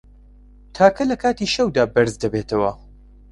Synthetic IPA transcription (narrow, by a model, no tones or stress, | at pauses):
t̪ʰaːkʰɐlɐkʰaːt̪iːʃɐwd̪aːbɐɾzd̪ɐbeːt̪ʰɐwɐ